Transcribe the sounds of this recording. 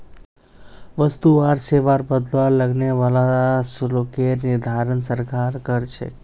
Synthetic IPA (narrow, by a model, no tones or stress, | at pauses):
ʋəst̪uʋaɾseʋaɾbəd̪lʋaləɡneʋalaslokeɾnid̪ʱaɾənsəɾkaɾkəɾt͡ʃʰḛ